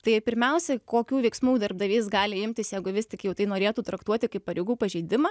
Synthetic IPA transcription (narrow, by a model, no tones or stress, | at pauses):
t̪ɐɪpʲɪɾʲmʲɛʊsʲɛkoːkʲuːʋʲɛɪksmuːd̪ɐrbd̪ɐʋʲiːsɡɑːlʲɪɪmʲt̪ʲɪsjɛɪɡʊʋʲɪsʲt̪ʲɪkjɛʊt̪ɐɪnoːɾʲeːt̪uːt̪ɾɐkt̪uɔt̪ʲɪkɐɪpːɐɾʲɪɡuːpɐʒʲɛɪd̪ʲɪmɐ